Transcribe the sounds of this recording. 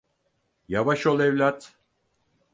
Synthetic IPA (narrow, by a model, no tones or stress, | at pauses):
javaʃo̞lˠɛvlʲat̪